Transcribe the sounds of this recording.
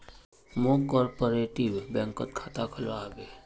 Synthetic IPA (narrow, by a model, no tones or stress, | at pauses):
mokɔːɾpoɾeːʈiʋbɛ̃ŋkət̪̚kʰaːt̪akʰəlʋaːbe